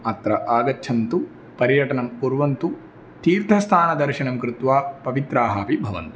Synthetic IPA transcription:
ɐt̪ɾɐʔaːɡɐtːʃʰɐnt̪u | pɐɾjɐʈɐɳɐmpuɾʋɐnt̪u | t̪iːɾt̪ʰɐst̪ʰaːnɐd̪ɐɾʃiɳɐmkɾɪt̪ʋaːpɐʋit̪ɾaːɦaːpibʱɐʋɐ̰nt̪u

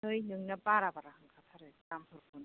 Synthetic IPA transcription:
ɯjnɯŋnabaɾabaɾahaŋkʰatʰaɾɯtampʰɯɾpʰun

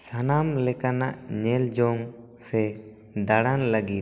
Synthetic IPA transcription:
sanamlɛkanaʔɲɛld͡ʒɔŋ | sɛ | d̪aɽanləɡit̪̚

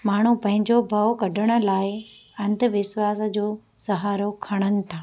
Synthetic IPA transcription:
maːɳ̤upɐ̃ɦɪ̃ɲd͡ʑobʱɐokɐɖʱəɽ̃ʊ̆laːɪ | ɐ̃nt̪əʋɪʃwaːs̆d͡ʑoː | sɐɦaːɾokʰɐɽ̃ənɪ̆t̪ʰaː

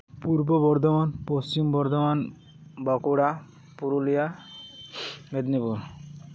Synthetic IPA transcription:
puɾbobɔɾd̪ʱomanpost͡ɕimbɔɾd̪ʱɔman | bɔkuɽa | puɾulija | med̪nipuɾ

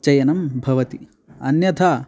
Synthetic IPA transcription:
t͡ʃɐjɐnɐmbʱɐʋɐt̪i | ɐ̰njɐt̪ʰa

